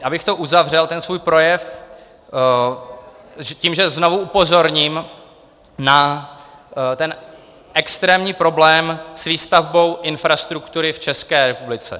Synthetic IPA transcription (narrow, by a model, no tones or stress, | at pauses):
ʔabɪxt̪o̞ʔuzavr̝ɛlt̪ɛnsvuːjpɾo̞jɛf | ciːmʒɛzno̞vuʔupo̞zo̞ɾɲim | na | t̪ɛn | ʔɛkst̪ɾɛːmɲiːpɾo̞blɛːmsviːst̪avbo̞wʔɪnfɾast̪ɾukt̪uɾɪft͡ʃɛskɛːɾɛpublɪt͡sɛ̰